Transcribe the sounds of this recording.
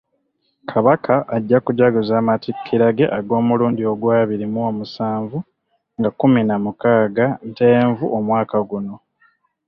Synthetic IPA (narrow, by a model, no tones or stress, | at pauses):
kʰaβakʰaʔːɟːakuɟaɡuzaːmatikʰːiɾaɡe̞̰ʔaɡo̞ːmuluːndio̞ɡwaːβiɾimuomusaːɱvu | ŋɡakuminamukaːɡante̞ːɱvuʔomwaːkaɡuno̞